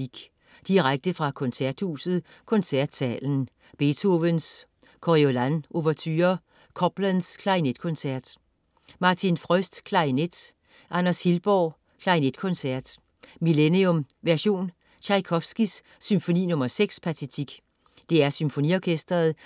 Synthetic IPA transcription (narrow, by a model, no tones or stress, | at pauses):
iɡ̥ | d̥iʁaɡ̥̚d̥əfʁɑ̈kʰɔ̽nsæɐd̥huːsð̞̩ˠ | kʰɔ̽nsæɐ̰d̥sɛ̰ːln̩ | b̥e̝t͡sʰo̝ʋəns | kʰoʁiolænʔo̝ʋɛɐt͡sʰy̰ːɐ | kʰɒb̥lænskʰlɑ̈ined̥kʰɔ̽nsæɐd̥ | mɑ̈t͡sʰinfʁœsd̥kʰlɑ̈ined̥ | ʔɑnɐshilb̥ɒ | kʰlɑ̈ined̥kʰɔ̽nsæɐ̰d̥ | mileniɔmʋæɐɕo̝̰ːn | ɕʰɑ̈ɪkʰɒfsɡ̥isː | ymfo̝nḭːnɔ̽mɐseɡ̥spʰæt͡sʰet͡sʰiɡ̥ | d̥e̝æɐsymfo̝niɒkʰesd̥ɐð̩ˠ